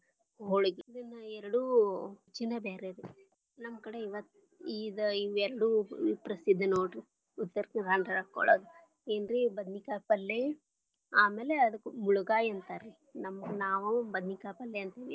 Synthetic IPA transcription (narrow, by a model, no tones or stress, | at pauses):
ɦoɭuɡiid̪ɐnːɐɛɾɐɽuːt͡ʃːinːɐbeːɾeɾ | nɐmːɐkɐɽeiʋɐt̪ː | iːd̪ɐiʋɛɾɐɽuːpɾɐsid̪ʱːnoːʈu | ut̪ːɐɾk̪iɾaɳɖɐɾɐkːɔ̰ɭo̰ːd̪u | eːnɾibɐd̪nikaːpɐlːe | aːmeːleɐd̪ɐkːumuɭuɡaːjɐnt̪aɾi | nɐmːɐɡunaːʋubɐd̪nikaːpɐlːeɐnt̪iːʋi